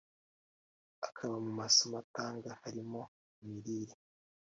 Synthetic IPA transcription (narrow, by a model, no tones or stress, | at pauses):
akʰaβamumasomataːŋɡahaɾimo̞ | miɾiːɾi